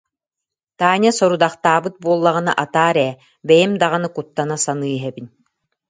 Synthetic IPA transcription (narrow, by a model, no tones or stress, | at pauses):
t̪aːɲʲasɔɾud̪aχt̪aːbɯt̪̚buɔlˠːaʁɯna̰ʔat̪aːɾɛː | bɛjimd̪aʁanɯkut̪ːanasanɯːɦɛbin